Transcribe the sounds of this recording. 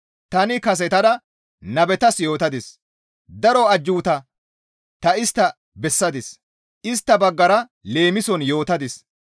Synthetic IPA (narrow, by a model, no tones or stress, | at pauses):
t̪ɐnɪkɐs̬ɛt̪ɐd̪ɐ | nɐbɛt̪ɐsjo̞ːt̪ɐd̪ɪs | d̪ɐɾɔɐd͡ʒːuːt̪ɐ | t̪ɐɪst̪ːɐ | bɛsːɐd̪ɪs | ʔɪst̪ːɐbɐɡːɐɾɐ | le̞ːmɪsɔnjo̞ːt̪ɐd̪ɪs